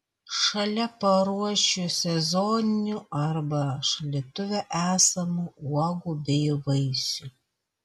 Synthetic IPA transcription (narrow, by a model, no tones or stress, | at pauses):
ʃɐlʲɛpɐɾuɔʃʲosʲɛzɔːnʲɪnʲuːɐɾbɐʃɐlʲiɛt̪ʊʋʲɛʔæːsɐmuuɔɡuːbʲɛɪʋɐɪsʲuː